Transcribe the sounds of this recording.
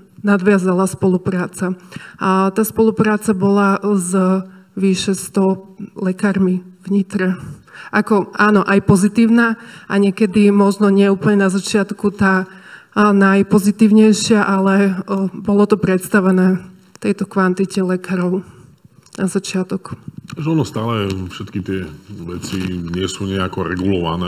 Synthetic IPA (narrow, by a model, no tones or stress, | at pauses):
nad̪ʋɪazalaspɔlupɾaːt͡sa | t̪aːspɔlupɾaːt͡sabɔlazʋiʃɛst̪ɔlɛkaːɾmivɲit̪ɾɛʔakɔʔaːnɔʔajpɔzit̪iːʊnaʔaɲɪɛkɛd̪imɔʒnɔɲɪɛuːpl̩ɲɛnazat͡ʃɪat̪kut̪aː | najpɔzit̪iːʊɲɛjʃɪaʔalɛbɔlɔt̪ɔpɾɛt̪st̪aʋɛnɛː | t̪ɛjt̪ɔkʋant̪icɛlɛkaːɾɔʊ | nazat͡ʃɪat̪ɔk̪aʒɛɔnɔst̪aːlɛfʃɛt̪kit̪ɪɛʋɛt͡siɲɪɛsuɲɛakɔɾɛ̰ɡulɔʋa̰nɛː